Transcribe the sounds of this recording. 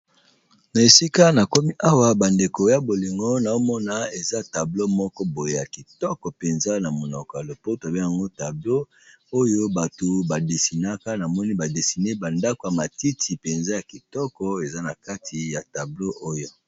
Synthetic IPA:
na˨e˨si˦ka˦na˨kɔ˦mi˦ʔa˦wa˦ba˨nde˨ko˨˦ja˦bo˨li˨ŋɡo˦na˨o˦mɔ˦na˦e˨za˦ta˨blo˦mɔ˦kɔ˦bo˨je˨ja˨ki˨tɔ˦kɔ˨pe˨nza˦na˨mo˨nɔ˨kɔ˨ja˨lo˨po˦ta˨be˦ja˨ŋɡo˦ta˨blo˦ | o˦jo˦ba˨to˨ba˨de˨si˨na˦ka˦na˨mɔ˦ni˦ba˨de˨si˨ne˦ba˨nda˦ko˨ja˨ma˨ti˦tʰi˨pe˨nza˦ja˨ki˨tɔ˦kɔ˨e˨za˦na˨ka˦tʰi˨ja˨ta˨blo˦ʔo˦jo˦

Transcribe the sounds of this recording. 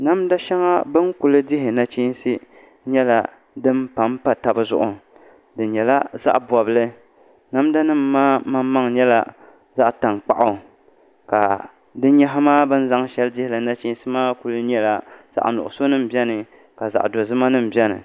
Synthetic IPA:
na˦mda˦ʃɛ˦ŋa˦bɨ˦ŋku˨lɨ˦dɪ˦ɦɪ˨na˦t͡ʃi˦n˦si˦ | ɲɛ˦la˨ | dɨ˦mpa˨˦mpa˦ta˨bɨ˦zʊ̰˦ʔʊ˨ | dɨ˨ɲɛ˨la˦za̰˦ʔbɔ˨bɨ˦lɨ˦ | na˦mda˦nɨ˦mː˦aː˦ma˦mːa˦ŋɲɛ˦la̰˨ | za˦ʔta˨ŋk͡pa̰˦ʔʊ˨ | ka̰˨ | dɨ˦ɲɛ˦ɦa˦maː˦bɨ˦n̩˦za˦ŋʃɛ˦lɨ˦dɪ˦hɪ˨lɨ˨na˦t͡ʃi˦n˦sɨ˦maː˦ku˨lɨ˦ɲɛ˦la˨z̥a̰˨ʔnʊ˨ʔʊ˨so˦nɨ˦m̩˨bɛ˦nɨ˨ | ka˨za̰˨ʔdo˨zɨ˦ma˦nɨ˦m̩˨bɛ˦nɨ̰˨

